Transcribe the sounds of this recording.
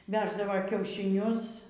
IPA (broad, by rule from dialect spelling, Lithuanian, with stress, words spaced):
ˈʋʲæːʒdɐʋɐ kʲɛʊʃʲɪˈnʲʊs